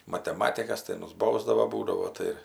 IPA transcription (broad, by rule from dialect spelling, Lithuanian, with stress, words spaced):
mɐtʲɛˈmɑːtʲɪkɐs tɐɪ ˈmʊs ˈbɐʊzdɐʋoː ˈbuːdɐʋoː ˈtɐɪ ɪr